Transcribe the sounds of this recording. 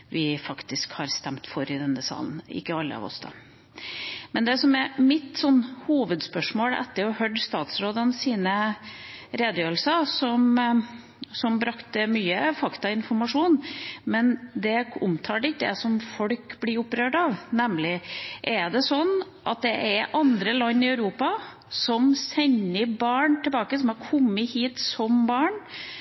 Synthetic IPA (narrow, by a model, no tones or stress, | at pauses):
ʋɪfɑkt̪ɪskhɑɾst̪ɛmt̪fɔɾɪd̪ɛnːəsɑ̰ːln̩ɪ̰kːəɑlːə̰ɑ̰ʋɔ̰sd̪ɑ̰ | mɛnd̪ɛsɔmɛɾmɪt̪sɔnːhuːʋəd̪spœʂmoːlɛ̰t̪ːəɾɔhœɖ̪st̪ɑːt̪sɾoːd̪ənsiːnə | ɾeːd̪əjøːɾl̩səsɔm | sɔmbɾɑkt̪əmyːəfɑkt̪ɑɪnfɔɾmɑʂuːnmɛnd̪ɛʊmt̪ʰɑːɖɪd̪ɛ̰sɔmfɔɽkblɪɾʊpːɾøːɖɑʋnɛmlɪʔɛɖ̪ɛsɔnː | ʔɑ̰t̪̚d̪ɛʔɛɾʔɑnd̪ɾəlɑnːɪœʉɾuːpɑ | sɔmsɛɲːəbɑːɳt̪ʰɛbɑːkəsɔmɑɾkʰɔmːəhiːt̪sɔmbɑːɳ